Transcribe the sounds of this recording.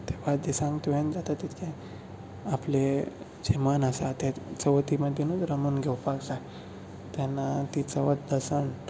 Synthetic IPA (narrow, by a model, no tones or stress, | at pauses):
t̪ebad̪isãŋɡt̪ʋẽnd͡zat̪at̪it̪kʰẽ | aple | d͡ʑemənasat̪et͡səʋt̪iməd̪ʱenud͡zɾəmunɡʱewpaksa | t̪janːat̪it͡səʋət̪̚d̪əsəɳʈ